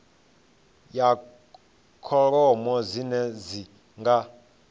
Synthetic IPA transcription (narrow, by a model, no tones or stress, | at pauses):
ja | kʰɔɺɔmɔzinɛzi | ŋɡa